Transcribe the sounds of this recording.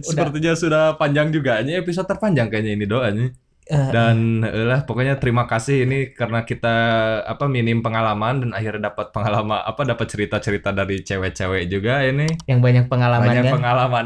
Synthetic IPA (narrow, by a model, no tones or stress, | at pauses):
səpərt̪iɲasudahpaɲd͡ʒaŋd͡ʒuɡaɲiepis̬od̚t̪ːərpaɲd͡ʒaŋkaɲainidoaɲi | danʔəlahpokoɲat̪əɾimakasɪhinikaɾənakit̪aa̰paminɪmpəŋalamandanaɦɪrdapat̪̚pəŋalama̰ʔa̰padapət̪̚t͡ʃəɾit̪at͡ʃəɾit̪adaɾit͡ʃewɛt͡ʃewɛd͡ʒuɡainijaŋbaɲak̚pəŋalabamaɲakpəŋalaman